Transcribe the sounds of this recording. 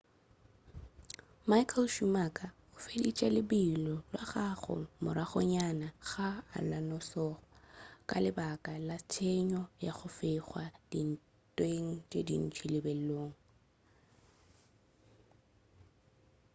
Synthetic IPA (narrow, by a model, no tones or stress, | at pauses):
majkʰɛlʃumakʼa | ʊfelit͡ʃʼalɪbilɔlwaχaχʊ̰mʊɾaχʊɲanaɣa̰ːlanɔsɔːχɔkʼa̰lɪbakʼalatʰeɲɔjaχʊfɪχwad̥in̩ | tʼweŋ̩t͡ʃʼedḭn̩t͡ʃʰilɪbɛlloːŋ̩